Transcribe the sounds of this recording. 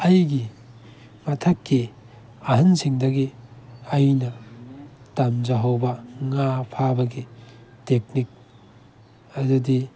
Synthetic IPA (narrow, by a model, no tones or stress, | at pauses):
ɐjɡi | mɐtʰɐkːi | ɐɦɐnsiŋdɐɡiɐjnɐ | tɐmd͡ʒɐɦɐwbɐŋapʰabɐɡitek̚nik̚ | ɐdudi